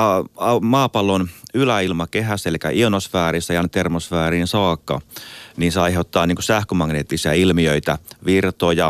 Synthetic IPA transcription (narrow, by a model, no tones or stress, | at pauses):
ɑɑmɑːpɑlːonylæilmɑkeɦæsːelikæ̰ʔionosfæːrisːæjɑnt̪ermosfæːriːnsɑːkːɑ̰niːnseɑiheut̪ːɑːniːŋkosæhkømɑŋneːt̪ːisiɑilmiøit̪æʋirt̪ojɑ